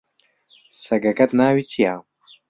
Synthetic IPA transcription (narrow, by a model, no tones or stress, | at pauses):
sɐɡɐɡɐt̪naːwit̪ʰijaː